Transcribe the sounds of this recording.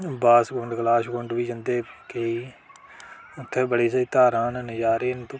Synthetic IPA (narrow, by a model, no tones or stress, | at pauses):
baːsɡʊɳɖɡlaːʃɡʊ̃ɳɖʋiːd͡ʒənd̪eːkeiː | ʊt̪ʰːeːbəɽiːsiːt̪aːɾãːnnd͡ʒaːɾeːnt̪ː